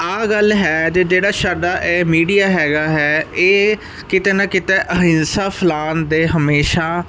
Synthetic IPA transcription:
aːɡəlɦɛːd͡ʒeːd͡ʒeːɽaːsaːɖaːʔɛːmiːɖijaːɦɛːɡaːɦɛːeː | kɪt̪eːnəkɪt̪eːʔəɦɪnsaːpʰɪlaːnd̪eːɦəmeːʃaː

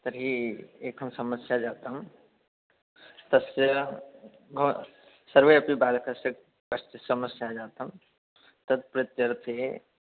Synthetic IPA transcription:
t̪ɐɾɦiekɦəmsəməsjad͡ʒaːt̪ɦm | t̪ɐsjə | ɡʱo | səɾʋəɐpibaːlkʰəse | kəst̪isəməsjad͡ʒaːt̪ɦm | t̪ɐd̪̚pɾɪt̪jəɾt̪ʰe

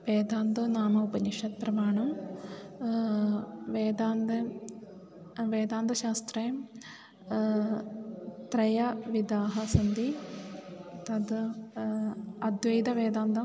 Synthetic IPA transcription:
ʋeːd̪aːnd̪oːnaːmɐupɐɲiʂɐt̪̚pɾɐmaːɳɐ | ʋeːd̪aːnd̪ɐ | ʋeːd̪aːnd̪ɐʃaːst̪ɾɐjm | t̪ɾɐjɐʋid̪aːɦɐsɐnd̪i | t̪ɐd̪ | ɐd̪ʋɐjd̪ɐʋeːd̪aːnd̪ɐ

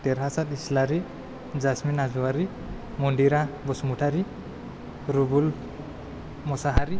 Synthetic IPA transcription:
t̪eɾɦasat̪islaɾi | d͡ʒasminazuaɾi | mɔɳɖiɾabɔsumuʈʰaɾi | ɾubul | mɔsaɦaɾi

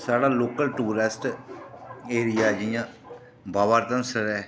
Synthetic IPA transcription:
saːɽaːloːkəlʈuːɾɪsʈ | eːɾɪjaːd͡ʒɪjãː | baːʋaːɾt̪ənsəɾɛː

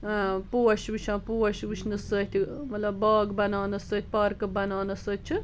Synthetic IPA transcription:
puːɐʃʋɨʃʰãːpuːɐʃʋɨt͡ʃʰnɨsət̪ʰʲimɐt̪lɐbbaːɡbɐnaːnɐsəːt̪̚ʰʲpɐɾkɨbɐnaːnɐsət̪̚t͡ʃʰɨ

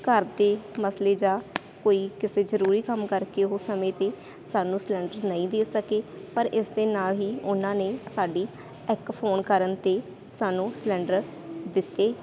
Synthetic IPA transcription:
kəɾd̪eːməsleːd͡ʒãː | koːiːkɪseːzəɾuːɾiːkəmkəɾkeːɦoːsəmẽːt̪eː | saːnũːslɛ̃ːɳɖəɾnəĩːd̪eːsəkeːpəɾɪsd̪eːnaːlɦiːʊnãːneːsaːɖiː | ɪkpʰoːnkəɾənt̪eː | saːnũːslɛ̃ːɳɖəɾ | d̪ɪt̪ːeː

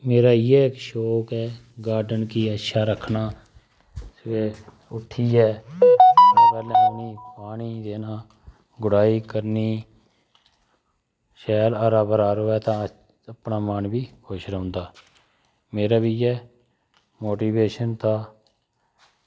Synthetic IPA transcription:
meːɾaːjeːɪkʃoːkɛː | ɡaːɾɖənkiːətːʃʰaːɾəkʰnaː | sʋeː | ʊʈʰiːɛːənãːpɛːlãːniːpaːɳiːd̪eːnaː | ɡʊɽaːiːkəɾniː | ʃɛːləɾaːbəɾaːɾoːɛːt̪ãː | əpnaːmaːnbiːkoʃɾəɦʊ̃ːnd̪aː | meːɾaːbiːɛː | moːʈiːʋeːʃənt̪aː

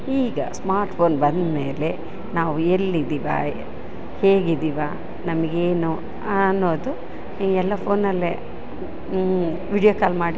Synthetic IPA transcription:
iːɡɐ̰smaːɾʈpʰoːnbɐnd̪meːle | naːʋuelːid̪iʋa̰ | he̞ːɡid̪iʋaː | nɐmɐɡeːnu | ɐnːoːd̪u | ɛlːɐpʰoːnːɐlːḛ | ʋiːɖijoːkaːlmaːɽi

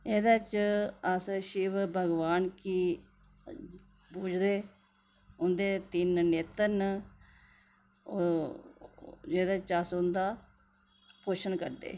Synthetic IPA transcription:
eːd̪at͡ʃəsʃɪʋbʱəɡʋaːnkiː | puːd͡ʒd̪eː | ʊnd̪eːt̪ɪnneːt̪ən | o | d͡ʒeːd̪at͡ʃəsʊnd̪aː | poːʃənkəɾd̪ḛː

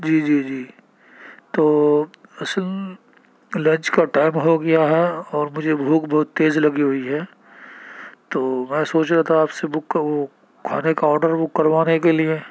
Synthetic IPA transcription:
d͡ʒiːd͡ʒiːd͡ʒiː | t̪oːɐsəl | lɐ̃nt͡ʃkaʈaːɪmɦoɡɐjaɦɛɔːɾmʊd͡ʒʱebʱuːkbɐɦʊt̪ːeːzlɐɡiɦʊiɦɛː | t̪oːmɛ̃ːsoːt͡ʃɾɛt̪aaːpsebʊkːʋo | kʰːaːnekaɔːɾɖəɾbʊkːɐɾʋaːnekelie

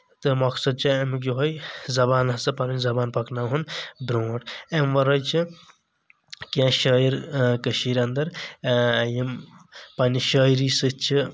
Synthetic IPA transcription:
t̪ɨmɐksɐd̪̚t͡ʃʰiemk̬uɦojzɐbaːnɐsɨpaninʲzɐbaːnpɐknaɦunbɾõːʈemʋɐɾɐjt͡ʃʰi | kãːʃəːiɾkɐʃiːɾɐnd̪ɐɾ | jimpaniʃɐːiɾisɨt͡ʃʰi

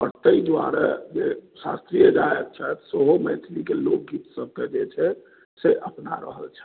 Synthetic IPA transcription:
əɾt̪əid̪wa̰ɾa̰d͡ʒesa̰st̪ɾijəd͡ʒaek̪̚t͡ʃʰɛt̪seɦoməɪt̪ʰlikelok̚ɡit̪səb̚ked͡ʒet͡ʃʰɛ | seʔəpna̰ɾə̰ɦə̰lt͡ʃʰɛ̥

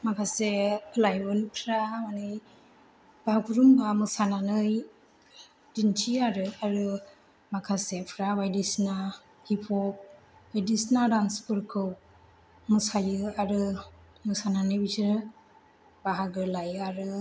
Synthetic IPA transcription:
makʰaselajbɯnpʰɾamanɯj | b̥aɦaɡʰuɾumbamɯsananɯj | dintʰiaɾɯaɾɯ | makʰasepʰɾabajdisna | hipʰɔp̚ | wajdisnadanspɯɾkʰɯw | mɯsajɯaɾɯ | mɯsananɯjbitʰiɾɯ | b̥aɦaɡɯlajɯaɾɯ

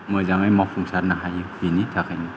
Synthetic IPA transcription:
mɯjzaŋɯjmapʰuŋsaɾnaɦajɯhinitʰakʰajni

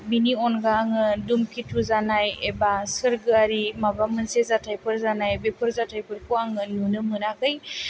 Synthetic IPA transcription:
miniɔnɡaŋɯdumkʰitʰuzanajebasɯɾɡɯaɾimabamɯnsezatʰajpʰɯɾzanajbepʰɯɾzatʰajpʰɯɾkʰuaŋɯnunɯmɯnakʰɯj

